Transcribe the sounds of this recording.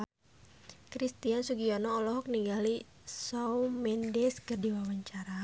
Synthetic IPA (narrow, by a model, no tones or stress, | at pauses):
kɾist̪iansuɡiɔnɔːlɔɦɔk̚niŋɡali | sawmɛndɛskərdiwawaɲt͡ʃaɾa